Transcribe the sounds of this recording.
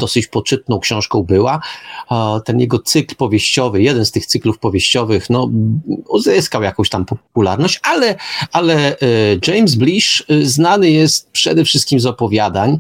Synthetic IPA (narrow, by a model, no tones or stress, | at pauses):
d̪ɔsɘt͡ɕpɔt͡ʂɘt̪̚nɔ̃w̃kɕɔ̃w̃ʂkɔ̃w̃bɘwa | t̪ɛnjɛɡɔt̪sɘklpɔvʲjeɕt͡ɕɔvɘjɛd̪ɛnst̪ɘxt̪sɘklufpɔvʲjeɕt͡ɕɔvɘxnɔuzɘskawjakɔ̃w̃ɕt̪ampɔpulaɾnɔɕt͡ɕalɛalɛd͡ʐɛjmzblʲiʂznanɘjɛst̪̚pʂɛd̪ɛfʂɨst̪̚kʲimzɔpɔvʲjad̪aɲ